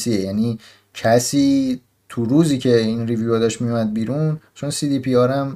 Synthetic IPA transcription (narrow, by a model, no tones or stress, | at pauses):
siejæːniː | cʰæsiː | t̪ʰuɾuːziːcʰe̞inrivjuɛd̪ɒʃmijumæd̪̚biːɾunt͡ʃʰonsiːd̪iːpʰiɒːɾæm